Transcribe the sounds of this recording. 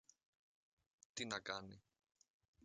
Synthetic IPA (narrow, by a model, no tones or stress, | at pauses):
t̪inakanḭ